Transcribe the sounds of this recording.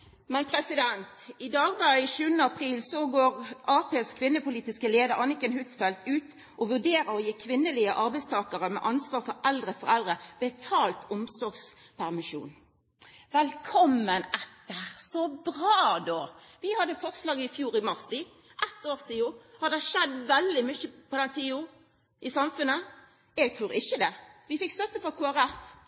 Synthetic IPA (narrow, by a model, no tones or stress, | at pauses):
mɛnpʰɾɛsɪd̪ɛnt̪ɪd̪ɑːɡd̪ɑɪʃʉːənəɑpʰʁiːlsɔɡoːʁʔɑːpeːskʰʋɪnːəpʊliːt̪ɪskəleːd̪əɾɑnɪkənhʉt̪sfɛlt̪ʉːt̪ | ɔʋʉʁd̪eːʁəɾɔjiːkʰʋɪnːəliːəʔɑɾbɛɪst̪ʰɑːkəʁəmɛ̰ʔɑnsʋɑːɾfɔɾɛld̪ʁəfɔʁɛld̪ʁəbɛt̪ʰɑːlt̪ʊmsɔɾɡs | pʰæʁmɪʃṵːn | ʋɛlkʰɔmːənɛt̪ːəʁsɔbɾɑːd̪oːʋɪhɑd̪əfɔʁslɑːɡəɪfjuːɾɪmɑʁsi | ʔɛt̪ːoːɾsiːʊhɑd̪ɛʃɛd̪ʋɛld̪ɪmʏçəpɔd̪ɛnt̪ʰiːʊ | ɪsɑmfʉnə | ɛɡt̪ʰɾuːɾɪçəd̪ɛʋɪfɪkːst̪œt̪ːəfɔkʰuːæʁæf